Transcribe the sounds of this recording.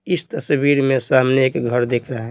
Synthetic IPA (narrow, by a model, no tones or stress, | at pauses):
ɪst̪əsbiɾmẽsamneːkɡʱəɾd̪ekʰɾəɦɦɛ